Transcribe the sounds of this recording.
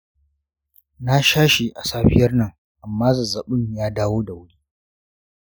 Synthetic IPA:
na˦ʃaː˦ʃe˨ʔa˨saː˦ɸɪ˦jɐ˦rnɐ˦ŋ | ʔa˨mːaː˦zɐ˨za˨ɓʊ˦ɲjaː˦daː˦woː˦da˨wʊ˦ɽiː˦

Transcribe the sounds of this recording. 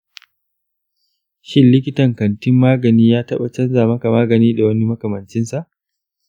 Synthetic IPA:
ʃɪ˦nlɪ˦kʲɪ˦tɐ˨ŋkɐ˨ntɪ˦mːaː˦ɡɐ˨niː˦jaː˦tɐ˦ɓa˨t͡ʃɐ˦nzaː˨mɐ˦ka˨maː˦ɡɐ˨niː˦da˨wɐ˦ni˦mɐ˦kɐ˨mɐ˨nt͡ʃɪ˦nsa˨ʔ

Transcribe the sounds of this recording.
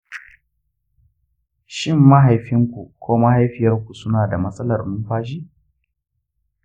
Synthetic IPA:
ʃɪ˦mːa˦ɦa˨jɸɪ˦ŋkʷu˨kʷʰoː˦ma˦ha˦jɸɪ˨jɐ˦rkʷu˨sʊ˦naː˨da˨mɐ˦sʼɐ˦lɐ˨rmʊ˦mɸaː˦ʃ̬iː˦

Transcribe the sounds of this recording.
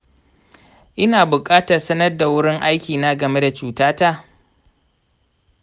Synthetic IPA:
ʔɪ˦naː˨bʊ˨kʼaː˦tɐ˨rsɐ˦nɐ˦rda˨wʊ˦ɽɪ˦ŋʔa˦jkʲiː˨naː˦ɡɐ˨me˦da˨t͡ʃuː˦taː˦ta˦˨ʔ

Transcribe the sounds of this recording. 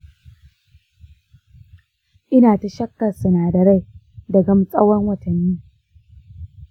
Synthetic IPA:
ʔɪ˦naː˨ta˨ʃɐ˦kːɐ˨rsɐ˨naː˨dɐ˨ɽa˦˨j | dɐ˨ɡɐ˦msʼɐ˦wɔ˦ŋwɐ˨tɐ˨nːiː˦

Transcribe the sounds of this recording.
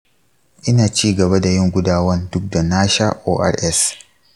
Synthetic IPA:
ʔɪ˦naː˨t͡ʃiː˦ɡɐ˨ba˦da˨jɪ˦ŋɡʷʊ˦daː˨wɐ˦ndʊ˦k̚da˨naː˦ʃaː˦ʔoː˦ʔa̰˦˨rʔɛ˦s

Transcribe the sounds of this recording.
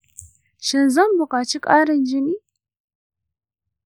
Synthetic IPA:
ʃɪ˨nzɐ˦mbʊ˨kʷʼaː˨t͡ʃʰɪ˦kʼaː˦ɾɐ˨nd͡ʒɪ˦niː˦

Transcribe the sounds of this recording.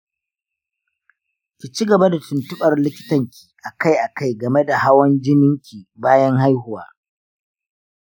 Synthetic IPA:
kʲi˨t͡ʃi˦ɡɐ˨ba˦da˨tʊ˨ntʊ˦ɓɐ˨rlɪ˦kʲɪ˦tɐ˨ŋkʲʰi̥ː˨ʔa˨ka˦jʔa˨ka˦jɡɐ˨me˦da˨ha˦wɐ˦nd͡ʒɪ˦nɪ˦ŋkʲiː˨baː˦jɐ˦ŋha˦jɦʊ˨wa̰ː˦

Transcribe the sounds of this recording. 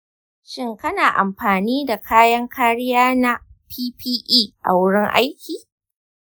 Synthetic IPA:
ʃɪ˦ŋkɐ˦naː˨ʔa̰˨mɸaː˨niː˦da˨kʰaː˦jɐ˦ŋkʰaː˦ɽɪ˦jaː˦na˦pʰiː˦piː˦ʔiː˦ʔa̰˨wʊ˦ɽɪ˦ŋʔa̰˦jkʲiː˨

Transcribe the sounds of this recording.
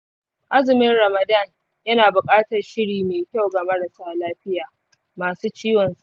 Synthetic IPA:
ʔa˦zɪ˨mɪ˦nɽɐ˨mɐ˨da˦˨n | jɐ˦naː˨bʊ˨kʼaː˦tɐ˨rʃɪ˦ɽiː˨meː˨kʲa˦˨wɡa˨mɐ˦ɽɐ˨saː˦laː˦ɸɪ˦jaː˨ | maː˨suː˦t͡ʃiː˦wɔ˨nsu˦ʔ

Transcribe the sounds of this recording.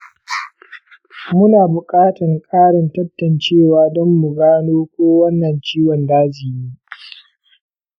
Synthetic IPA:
mʊ˦naː˨bʊ˨kʼaː˦tɐ˨ŋkʼaː˦ɽɪ˨ntɐ˦tːɐ˨nt͡ʃeː˦˨waː˨dɔ˦mːu˨ɡaː˦noː˦kʷoː˦wɐ˦nːɐ˨nt͡ʃiː˦wɔ˨ndaː˦d͡ʒi˨jiː˦

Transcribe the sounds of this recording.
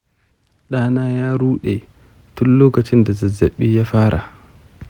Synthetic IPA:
ɗaː˦naː˦jaː˦ɾuː˦ɗɛ˨ | tu˦lːoː˦ka˨t͡ʃɪ˦nda˨za˨za˨ɓːi˦ja˦faː˦ɾʔa̰˨

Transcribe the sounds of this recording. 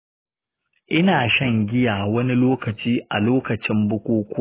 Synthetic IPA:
ʔɪ˦naː˨ʃɐ˦˨ŋɡʲɪ˦jaː˨wɐ˦ni˦loː˦kɐ˨t͡ʃiː˦ʔa̰˨loː˦kɐ˨t͡ʃɪ˦mbʊ˦kʷoː˦kʷo˦

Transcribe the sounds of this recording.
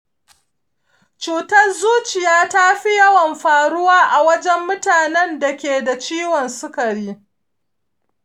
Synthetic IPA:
t͡ʃuː˨tɐ˦rzuː˦t͡ʃɪ˨jaː˦ta˦ɸi˦jɐ˦wɐ˨mɸaː˨ɽʊ˦waː˦ʔa˨wɐ˦d͡ʒɛ˦mːʊ˦taː˨nɛ˦nda˨kʲeː˨da˨t͡ʃiː˦wɔ˨nsʊ˦kɐ˨ɽiː˦

